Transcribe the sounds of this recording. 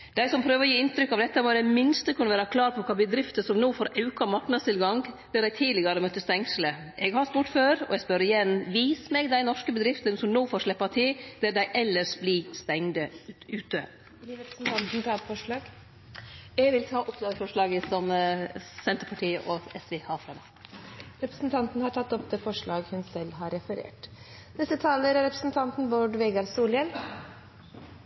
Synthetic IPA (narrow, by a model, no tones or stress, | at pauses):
d̪̥æɪsɔmpʰɾøːʋəɾɔjiːɪnt̪ɾʏkːɑʋd̪ɛt̪ːɑmɔd̪ɛmɪnst̪əkʰʉnəʋæːɾɑkʰlɑːɾpʰɔkʰɑːbəd̪ɾɪft̪əsɔmnoːfoːɾɑʉkɑmɑɾknɑd̪st̪ɪlɡɑŋ | d̪æːɾɖ̪æɪt̪ʰiːd̪lɪɡəɾəmœt̪ːəst̪ɛŋslə | ɛɡhɑɾst̪uːʈføːɾɔ̰ɛɡspœɾɪjɛnʋiːsmɛɡd̪æɪnɔʂkəbəd̪ɾɪft̪ənsɔmnoːfoːɾʂɭɛpːɑt̪ʰɪld̪ɛːd̪æɪʔɛlːəʂblist̪ɛŋd̪əʉːt̪ə | ɾɛpɾəsn̩t̪ʰɑnt̪n̩t̪ʰɑːfɔʂɭɑːɡ | jɛɡʋɪlt̪ʰɑːʔɔpd̪ɑːɡ̪əfɔʂɭɑːɡəsɔm | sɛnt̪ɾpʰɑʈʰiːəʔɔɛsʋɛhɑːfɾɑmæ | ɾɛpɾə̥snt̪ʰɑnt̪nəhɑʈʰɑt̪ːɔpd̪eːfɔʂɭɑːɡhʉnsɛlːɦɑɾɛfəɾḛːʈ | nɛst̪ət̪ʰɑːləɾɾɛpɾə̥sn̩t̪ʰɑnt̪n̩boɖʋeːɡɑɾsuːlən